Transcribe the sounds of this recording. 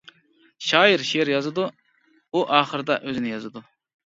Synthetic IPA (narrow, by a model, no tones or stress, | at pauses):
ʃɑːjiɾʃeɾjɑzɨd̪u | uʔɑːχəɾɨd̪ɑʔøzɪnɪjɑzɨd̪u